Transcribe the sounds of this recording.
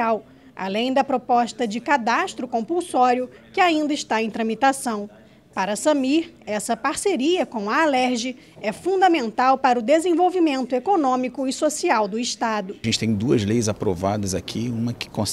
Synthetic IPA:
aw | a̰lẽj̃d̪ɐpɾopɔʃt̪ɐd͡ʒɪkad̪aʃt̪ɾʊkõpuwsɔɾiʊkɪaĩnd̪ɐɪiʃt̪aẽj̃t̪ɾɐ̃mit̪asɐ̃w̃ | paɾɐsɐmiɾɛsɐpaɾseɾiɐkõw̃ɐːlɛɾʒɪ | ɛfũnd̪ɐmẽnt̪awpaɾʊd̪ezẽvowvimẽnt̪ʊekonõmikʊɪsosiawd̪ʊɪʃt̪ad̪ʊʒẽnt͡ʃɪ̥t̪ẽj̃d̪uɐzlejzapɾo̰vad̪ɐzakʰiũmɐkɪ̥kõs

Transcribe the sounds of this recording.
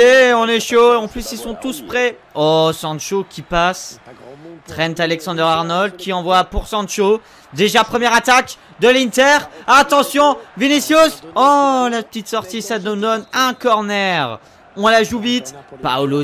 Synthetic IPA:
eɔ̃nɛʃoeɑ̃plysilsɔ̃t̪uspχɛ | ɔsɑ̃d̪ʃokʲipas | t̪χɛnt̪alɛksɑ̃d̪œʁaʁnɔld̪̚kʲiɑ̃vwapuʁsɑ̃d̪ʃo | d̪eʒapχəmjɛʁat̪ak | d̪əlint̪ɛʁat̪ɑ̃sjɔ̃venesjosɔlapə̥t̪it̪sɔʁt̪isad̪d̪ɔnɛ̃kɔʁnɛʁ | ɔ̃laʒuvit̪pa̰lo

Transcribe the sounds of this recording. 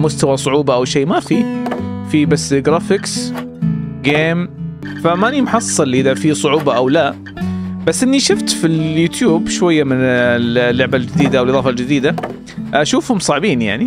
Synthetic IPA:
mʊst̪awasˤʊʕuːbɑʔawʃeːmafifibasːɡɾaːfɪks | ɡeːmfamaʔɪnimħɑsˤːɨlʔɪðafisˤʊʕuːbɑʔawla | basːʔɪnːiʃʊft̪filjuːt̪juːbʃwajːamɪnɪllːʊʕbald͡ʒɪd̪iːd̪aʔawlʔɨðˤɑːfɑld͡ʒɪd̪iːd̪a | ʔaʃuːfhʊmsˤɑʕbiːnja̰ʕni

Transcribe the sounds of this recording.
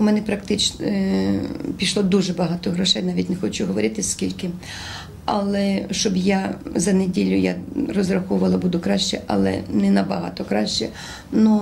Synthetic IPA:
ʊmɛnɛpɾɐkt̪ɪt͡ʃ | pʲiʃlˠɔd̪uʒɛbɐɦɑt̪ɔɦɾɔʃɛjnɑʋʲitʲnɛxɔt͡ʃʊɦɔʋɔɾʲɪt̪ɪskʲilʲkɪ | ɐ̰lˠɛʃt͡ʃɔbjazɐnedʲilʲːʊja̰rɔzɾɐxɔʊʋɐlˠɐbud̪ʊkɾɑʃt͡ʃɛ̰ʔɐ̰lˠɛ̰nɛnɐbɐɦɑ̰t̪ɔkɾɑʃt͡ʃɛ | nu

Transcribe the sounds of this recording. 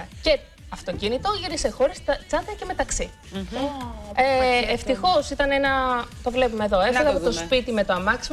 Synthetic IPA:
ce̞ | ɐft̪o̞cinit̪o̞ʝiɾise̞xo̞ɾest̪ɐt͡sɐd̪ɐce̞me̞t̪ɐksi | eeft̪ixo̞sit̪ɐnenɐt̪o̞vle̞pumeðo̞efeðɐpot̪o̞spit̪ime̞t̪oɐmɐksim

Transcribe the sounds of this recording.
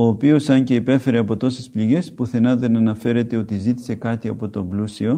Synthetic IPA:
o̞ːpio̞sɐɲce̞ipe̞fe̞ɾe̞ɐpo̞t̪o̞sespliʝe̞spuθenɐðe̞nɐnɐfe̞ɾe̞t̪e̞o̞t̪izit̪i̥se̞kɐt̪iɐpo̞t̪o̞mblusio̞

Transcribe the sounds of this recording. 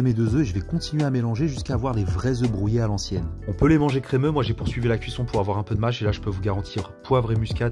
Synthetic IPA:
emed̪øzøeʒəvɛkɔ̃t̪inɥeamelɑ̃ʒeʒyskaːvwaʁlevʁɛzøbʁujealɑ̃sjɛnɔ̃pølemɑ̃ʒekχemømwaʒepuʁsɥivilakʲɥisɔ̃puʁavwaʁɛ̃pød̪əmaʃelaʒəpøvuɡaʁɑ̃t̪ʰiʁpwavʁemyskʲad̪

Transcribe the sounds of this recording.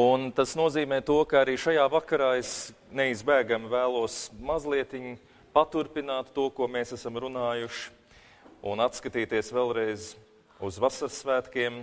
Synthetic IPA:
unt̪asnuɔziːmɛːt̪uɔkaaɾiːʃajaːvakaɾaːes | nɛizbæːɡamvæːlˠuɔsmazlˠiɛt̪iɲu | pat̪uɾpinaːt̪ːuɔkuɔmeːsæsamɾunaːjuʃ | ṵnat̪skat̪iːt̪iɛsʋɛlˠɾɛjz | uzʋasaɾsːʋæːt̪kiɛm

